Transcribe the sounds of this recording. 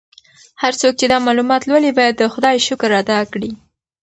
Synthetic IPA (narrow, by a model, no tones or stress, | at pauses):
haɾt͡sok̚t͡ʃed̪ɑmɑlumɑt̪lwəlibɑjad̪ːəxʊd̪ɑjʃʊkɾːɑd̪ɑkɽi